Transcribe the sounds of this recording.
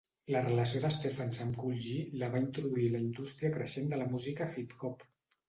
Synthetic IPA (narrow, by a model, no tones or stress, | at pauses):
lərələsioðəst̪efənzəmkulʒiləβ̞aint̪ɾuðuiləind̪ust̪ɾiəkɾəʃend̪ələmuzikəxip̪xɔp